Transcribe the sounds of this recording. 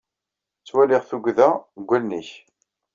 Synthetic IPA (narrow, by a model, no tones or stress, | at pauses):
t͡sːwælɪʁθuɡʷðæɡʷːælniç